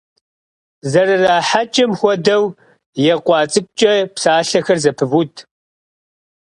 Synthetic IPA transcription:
zɐrɨraːħat͡ʃʼɐmxʷɔdɐw | jɛqʷʼɑːt͡sʼɨkʷʼt͡ʃʼɐpsaːɬɐxɐrzɐpʰɨvutʰ

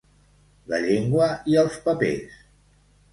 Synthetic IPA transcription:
lə̰ʎeŋɡwəiəlˠspəpḛs

